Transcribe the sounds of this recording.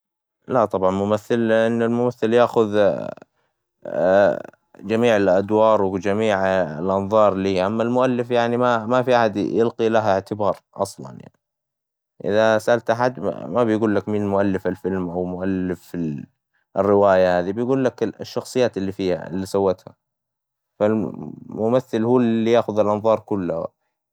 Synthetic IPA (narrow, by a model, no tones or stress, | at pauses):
laʔt̪ˤɑbʕɑnmʊmaθːɪlɪʔɪnːɪlmʊmaθːɪljaːxʊð | d͡ʒamiːʕɪlʔad̪wɑːɾˤwd͡ʒamiːʕɪlʔɑnðˤɑːɾˤliːʔamːalmʊʔalːɪfjaʕnimamafiʔaħad̪jɪlqilaɦɪʕt̪ɪbɑːɾˤʔɑsˤlɑ̰nja̰ʕni | ʔɪ̰ðasaʔalt̪ʔaħad̪̰mabɪjɡuːlːakmɪnmʊʔalːɪfɪlfɪlmʔawmʊʔalːɪfɪ | ʔɪrːɪwaːjahaːðibɪjɡuːlːakɪʃːɑxsˤɨjːaːt̪ɪlːiːfiːha̰ɪ̰lːiːsawːat̪ha̰ | falmʊmaθːɪlhuːlːijaːxʊðɪlʔɑnðˤɑːɾˤkʊlːʊha̰